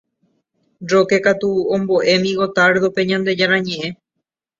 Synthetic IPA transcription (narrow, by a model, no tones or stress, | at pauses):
ɾoke̞kat̪uõmboʔe̞mĩɣo̞t̪aɾd̪ope̞ɲãnd̪e̞d͡ʒaɾ̃ãɲẽ̞ʔẽ̞